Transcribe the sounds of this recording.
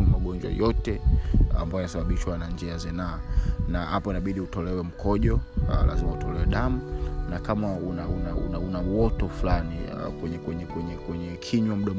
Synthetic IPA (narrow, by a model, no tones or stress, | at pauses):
maɠɔnd͡ʒwa̰jɔtɛa̰mbajnasaɓaɓiʃwanand͡ʒɛazɛnaːnahapɔinaɓiɗiutɔlɛwɛm̩kʰɔʄɔla̰zimautɔlɛwɛɗamunakamaunaunaṵnaunawɔtɔflanikwɛɲɛkwɛɲɛkwɛɲɛkwɛɲɛkʰiɲwam̩ɗam